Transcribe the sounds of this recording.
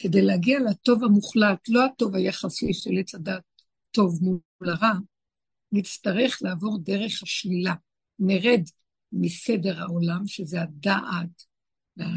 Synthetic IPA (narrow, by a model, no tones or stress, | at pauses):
ke̞dejleaɡialato̞vamuχlatlo̞hato̞vajaχasiʃelet͡sadaːtː | o̞vmu | laʁa | nit͡staʁe̞χlaːvo̞ʁde̞ʁe̞χhaʃlila | neʁe̞d | mise̞de̞ʁhao̞lamʃezeadaʔat | lea